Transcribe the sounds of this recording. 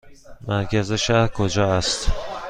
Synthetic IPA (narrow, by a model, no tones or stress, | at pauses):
mæɾcæzeʃæɾkʰod͡ʒɒːæst̪